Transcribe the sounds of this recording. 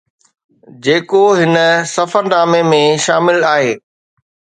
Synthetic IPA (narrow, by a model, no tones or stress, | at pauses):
d͡ʑeːkoɦɪnəsɐfəɾnaːmemẽʃaːmɪlaːɦeː